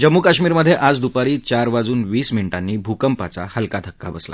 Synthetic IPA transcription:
d͡ʑəmːukaɕmiːɾməd̪ʱːjeʔad͡zd̪upaɾiːt͡ɕaɾʋad͡zuːnʋiːsminʈanːiːbʱukəmpat͡sa̰həlkat̪ʰəkːa̰bəsla̰

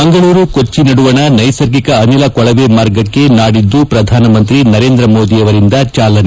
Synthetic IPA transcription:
mɐŋɡɐɭuːɾukot͡ʃːinɐɽuʋɐnɐnɐjsɐɾɡikɐːnilɐkɔɭɐʋemaːɾɡɐkːe̞naːɽid̪ːupɾɐd̪ʱaːnɐmɐnt̪ɾinɐɾe̞ːnd̪ɾɐmoːd̪ijɐʋɐɾind̪ɐt͡ʃaːlɐne

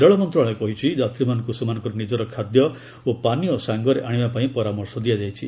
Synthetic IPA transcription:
ɾɔɭɔmɔnt̪ɾɔɭ̃ekɔɦit͡ʃʰid͡ʒat̪ɾimanɔŋkusemanɔ̃ŋkɔɾɔnid͡ʒɔɾɔkʰad̪jɔ | opanijɔsaŋɡɔɾeʔaɽ̃ibapaĩpɔɾamɔɾsɔd̪ijad͡ʒajt͡ʃʰi

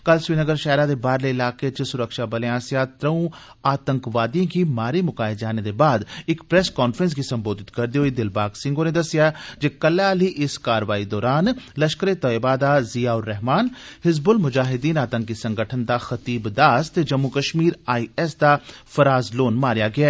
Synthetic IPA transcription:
kəlsʋiːnəɡəɾʃɛːɾãd̪ebaːɾleɪlaːket͡ʃəsʊɾəkʃabɐleãːsjat̪ɾəũ | aːt̪ə̃ŋkʋaːd̪ijõkimaːɾemʊkaːɪd͡ʒaːned̪ebaːd̪ɪkpɾɛːskɔːnfɾə̃ns̬ɡisɐ̃mboːd̪ɪt̪kɐɾd̪eɦoid̪ɪlbaːɡsɪ̃ŋɡoned̪ɐsɪjad͡ʒekɐlaːliʔɪskaːɾʋaːid̪ɔːɾaːnlɐʃkəɾet̪ɔebaːd̪azijaːʊɾːɛɦmaːnhɪzbʊlmʊd͡ʒaːɦɪd̪iːnaːt̪ə̃ŋkːisɐ̃ŋɡəʈʰənd̪axɐt̪iːbd̪aːst̪ed͡ʒɐmːukɐʃmiːɾaːiɛsd̪afɐɾaːzloːnmaːɾjaɡɪjaː

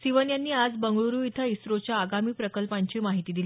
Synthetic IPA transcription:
siʋənjanːiːad͡zbəŋɡɭuɾuːit̪ʰəisɾot͡ɕjaːɡamiːpɾəkəlpãɲt͡ɕiːmaɦit̪iːd̪ili

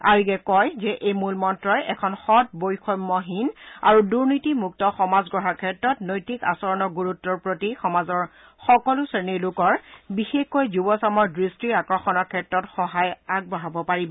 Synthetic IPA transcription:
a̰ɹiɡɛkɔjzɛʔejmulmɔntɹɔjʔɛkʰɔnxɔt̚bojxɔjmːɔɦinaɹuduɹnitimuk̚tɔxɔmazɡɹɔɦakʰɛtɹɔtnojtika̰sɔɹɔnɔɡuɹutːɔɹpɹotixɔmazɔɹ | xɔkɔlʊseniɹlʊkɔɹbixexkojzubɔsamɔɹdɹistɹiɹakɹɔxɔnɔɹkʰɛtɹɔtxɔɦajaɡ̚bɔɦabɔpaɹibɔ

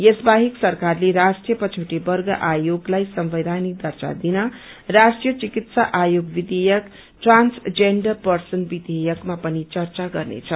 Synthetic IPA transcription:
jesbaɦiksʌrkarleɾasʈrijʌpʌt͡sʰuʈibʌrɡʌʔajoɡlajsʌmbed̪ʱanik̚d̪ʱʌrt͡sa̰d̪inʌ | rasʈrijʌt͡sikit̪saʔajoɡbid̪ejʌk | ʈransd͡zeɳɖʌpʌrsʌnbid̪ejʌkmapʌnit͡sʌrt͡saɡʌrnḛt͡sʰʌ

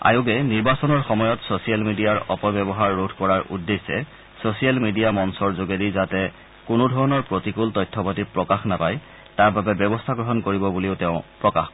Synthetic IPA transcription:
a̰jʊɡɛniɹbasɔnɔɹxɔmɔjɔtsosijalmidiaɹɔpɔbjɔbɔɦaɹːodʱkɔɹaɹṵdːesɛ̰ | sosijalmidiamɔnsɔɹzoɡedizatɛ | kʊnʊdʱɔɹɔnɔɹpɹotikultɔjtʰːɔpatipɹɔkaxnapaj | taɹbabɛbjɔbɔstʰaɡɹɔɦɔnkoɹibɔbuliʊtɛʊ̃pɹɔka̰x

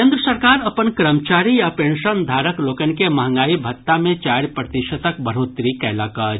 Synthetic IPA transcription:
ẽnd̪ɾəsəɾkaɾəpənkɾəmət͡ʃaɾijapenʃənd̪ʱaɾəklokənkeməɦə̃ŋɡaːibʱət̪ːamẽt͡ʃaɾpɾət̪iʃət̪əkbəɾ̤ɦot̪ɾikɛləkə

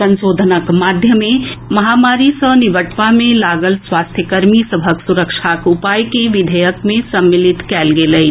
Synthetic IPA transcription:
ə̃nsoːd̪ʱənəkmaːd̪ʱjəmẽmɐɦaːmaːɾisəniʋəʈpamẽlaːɡəlswaːst̪ʰjəkəɾmisəbʱəksuɾəkʃakupaːjkeʋɪd̪ʱəjəkmẽsɐmːilɪt̪kɛːlɡeləi

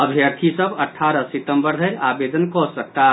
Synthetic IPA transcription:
əbʱjəɾt̪ʰisəbəʈʰːaːɾəsit̪əmbəɾd̪ʱəjʔaːbed̪ənkɔsək̚t̪a

